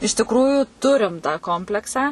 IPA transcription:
ɪʃ tʲɪkˈruːjʊ ˈtʊrʲɪm tɑː ˈkoːmʲpʲlʲɛksɑː

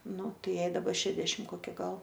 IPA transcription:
ˈnʊ ˈjɛɪ dɐˈbɐ ˈʃʲæːdʲɛʃʲɪm koːˈkʲɪ ˈɡɐlˠ

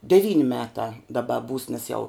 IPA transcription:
dʲɛˈʋʲiːnʲ ˈmʲæːtɑː dɐˈbɐ buːs nʲɛs jɛʊ

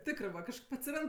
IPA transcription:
ˈtʲɪkrɜ ʋɐ kɐʃˈkɐɪp ɐtʲsʲɪˈrɐnt

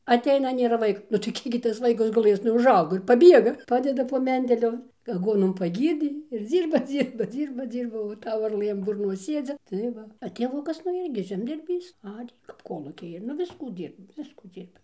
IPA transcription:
ɐˈtʲɛɪnɐ nʲeːˈrɐ ˈʋɐɪk nʊ tɐɪ ˈkʲiɛk ɡʲɪ ˈtɐs ˈʋɐɪkɐs ɡʊˈlˠɘs nʊ ʊʒˈɐʊɡoː ɪr pɐˈbʲiɛɡɐ ˈpɑːdʲɛdɐ poː ˈmʲɛnʲdʲɛlʲʊ ɐˈɡuɔnoːm pɐˈɡʲiːrʲdʲeː ɪr ˈd͡zʲiːrbɐ ˈd͡zʲiːrbɐ ˈd͡zʲiːrbɐ ˈd͡zʲiːrbɐ oː ˈtɐʊ ʋɐrˈlˠɘ ɐn bʊrˈnoːs ˈsʲiɛd͡zʲɪ tɐɪ ˈʋɐ ɐ tʲeːˈʋʊkɐs nʊ ˈɪrʲɡʲɪ ʒʲɛmʲdʲɪrʲˈbʲiːs ˈɑːrʲeː kɐp ˈkoːlˠuːkʲɛɪ ɪr nʊ ˈʋʲɪskuː ˈdʲiːrboː ˈʋʲɪskuː ˈd͡zʲiːrbɐ

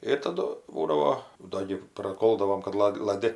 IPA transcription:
ɪr tɐˈdʊ ˈbuːdɐʋoː ˈdoː ɡʲɪ prɐˈkoːlˠdɐʋoːm kɐt ˈlˠɐtʲ lˠɐˈdʲɪ

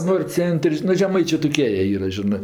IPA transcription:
ˈnoːrʲ ˈt͡sʲɛnʲtʲrʲ nʊ ʒʲɛˈmɐɪt͡ʃʲeː toːˈkʲiɛ jiɛ ˈiːrɐ ʒʲɪˈnɜ

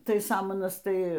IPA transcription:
ˈtɐɪ ˈsɑːmɐnɐs ˈtɐɪ

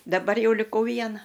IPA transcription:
dɐˈbɐr ˈjɛʊ lʲɪˈkɐʊ ˈʋʲiɛnɐ

